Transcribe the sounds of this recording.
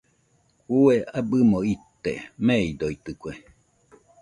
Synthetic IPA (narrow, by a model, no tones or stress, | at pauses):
kueabɨmoit̪ːḛmeid̪oit̪ɨkʷe